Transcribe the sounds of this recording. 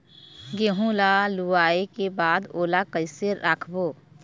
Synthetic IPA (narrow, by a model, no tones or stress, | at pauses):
ɡeːɦũlaluaːekebaːd̪oːlakəɪseɾːakʰboː